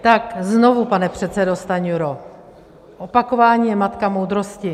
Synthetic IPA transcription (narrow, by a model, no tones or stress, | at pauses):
t̪akzno̞vupanɛpr̝̥ɛt̪sɛdo̞st̪aɲuɾo | ʔo̞pako̞vaːɲiːjɛmat̪kamowd̪ɾo̞scɪ